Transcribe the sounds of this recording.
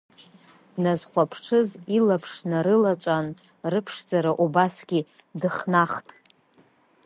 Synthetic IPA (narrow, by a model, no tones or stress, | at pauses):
d̥nazχʷapʰʂʰɨzilapʰʂnaɾɨlat͡ʃʷʼan | rɨpʰʂd͡zaɾaʔubasɡʲi | dɨχnaχtʼ